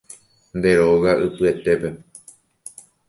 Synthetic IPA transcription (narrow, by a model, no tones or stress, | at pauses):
nd̪e̞ɾo̞ɣaʔɨpɨe̞t̪e̞pe̞